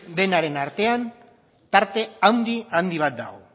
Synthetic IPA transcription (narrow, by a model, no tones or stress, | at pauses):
d̪e̞naɾe̞naɾt̪e̞an | t̪aɾt̪e̞awnd̪iand̪iβ̞at̪̚d̪a̰o